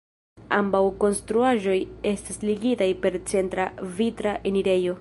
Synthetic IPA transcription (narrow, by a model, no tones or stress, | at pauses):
a̰mbawko̞nstɾuaʒo̞je̞stasliɡitajpe̞ɾt͡se̞ntɾavitɾaʔeniɾe̞jo̞